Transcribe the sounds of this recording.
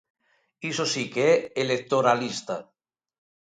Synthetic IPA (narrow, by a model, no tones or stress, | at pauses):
isosikeɛelek̚t̪oɾalist̪a